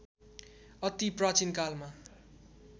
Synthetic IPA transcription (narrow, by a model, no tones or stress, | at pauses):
ʌt̪iprat͡sinkalma